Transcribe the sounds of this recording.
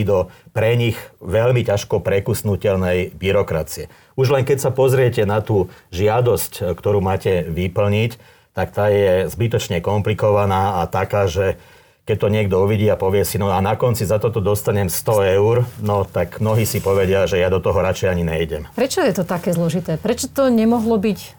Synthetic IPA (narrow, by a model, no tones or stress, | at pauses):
d̪ɔpɾɛɲixʋɛʎmicaʃkɔpɾɛkusnucɛʎnɛjbiɾɔkɾa̰t͡siɛ | uʒlɛŋkɛcsapɔzɾɪɛcɛnat̪uːʒɪad̪ɔsckt̪ɔɾuːmaːcɛʋipl̩ɲic | t̪akt̪aːjɛzbit̪ɔt͡ʃɲɛkɔmplikɔʋanaːat̪akaːʒɛ | kɛc̚t̪ɔɲɪɛɡd̪ɔuʋiɟiːapɔʋɪɛsinɔanakɔnt͡sizat̪ɔt̪ɔd̪ɔst̪aɲɛmst̪ɔɛʊɾnɔt̪aɡmnɔɦiːsipɔʋɛɟɪaʒɛjad̪ɔt̪ɔɦɔɾat͡ʃɛjaɲiɲɛjɟɛmpɾɛt͡ʃɔjɛt̪ɔt̪akɛːzlɔʒit̪ɛːpɾɛt͡ʃɔt̪ɔɲɛmɔɦlɔbic